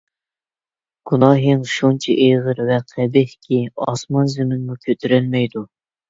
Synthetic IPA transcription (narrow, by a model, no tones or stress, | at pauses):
ɡ̥unɑːɦiŋʃunt͡ʃʰɛ̰ʔeʁəɾvɛqʰɛbɪhkʲʰiɑ̰smɑnzɪmɪnmukʲʰøt̪ʰyɾɛlmɛjd̪u